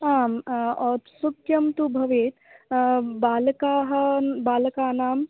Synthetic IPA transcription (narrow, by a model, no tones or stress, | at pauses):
aːmɔːt̪sukjɐmt̪ubʱɐʋeːt̪ | baːlkaːɦɐbaːlkaːnaːm